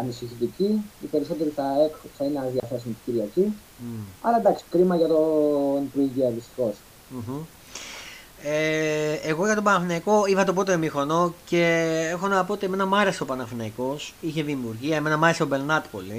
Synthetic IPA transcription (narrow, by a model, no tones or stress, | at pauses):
ɐnisiçit̪iciipeɾiso̞t̪eɾiθɐekθɐineɐðiɐθe̞s̬umt̪iɟiɾiɐci | ɐlɐd̪ɐksi̥kɾimɐʝɐt̪onpɾuiʝiɐðist̪i̥xo̞s | m̩ç̩ | eːɣo̞ʝɐt̪o̞pɐnɐfinɐiko̞ivɐt̪o̞p̬o̞t̪emixo̞no̞ce̞e̞xo̞nɐpoot̪ime̞nɐmɐɾese̞opɐnɐfinɐiko̞siçe̞ðiːmuɾʝiɐeme̞nɐmɐɾeseobe̞lnɐt̪po̞̰li